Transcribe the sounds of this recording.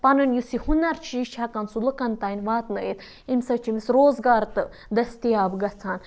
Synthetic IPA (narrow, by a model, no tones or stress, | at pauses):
pɐnɐnjusihunɐɾt͡ʃʰiʃʰakɐnsulukɐnt̪aːinʲʋaːt̪nəit̪ | insɐt͡ʃʰimisɾoːzɡaːɾt̪ɨ | d̪ɐst̪ijaːbɡɐt͡sʰaːn